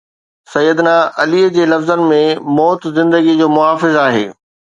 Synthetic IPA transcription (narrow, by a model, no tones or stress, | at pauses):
sɐjːəd̪naʔɐliəd͡ʑeːlɐfzənɪ̆mẽmɔːt̪zɪ̃nd̪əɡid͡ʑoːmʊɦaːfɪzaːɦḛː